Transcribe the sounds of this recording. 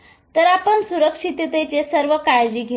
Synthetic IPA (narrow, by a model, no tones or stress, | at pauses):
t̪əɾapəɳsuɾəkʂit̪et̪et͡ɕesəɾʋəkaɾd͡ʑiːɡʱe